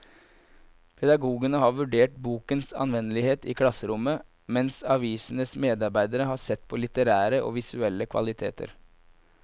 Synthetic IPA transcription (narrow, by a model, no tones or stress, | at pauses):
pʰɛd̪ɑɡuːɡənəhɑːɾʋʉɖeːʈ̚buːkənsɑ̰nʋɛnəlɪheːt̪ḭːkʰlɑsəɾʊmə | mɛnsɑʋiːsən̩əsmeːd̪ɑɾbæɪd̪əɾəɦɑːsɛt̪ːpʰɔːlɪt̪əɾæːɾəʔo̰ːʋɪsʉɛlːəkʰʋɑ̰lɪt̪ʰḛːt̪ʰə̰ɾ